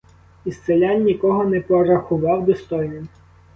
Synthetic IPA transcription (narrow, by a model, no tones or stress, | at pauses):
ist̪selʲɑnʲːikɔɦɔnɛpɔɾɐxʊʋɑwd̪ɔst̪ɔjnɔm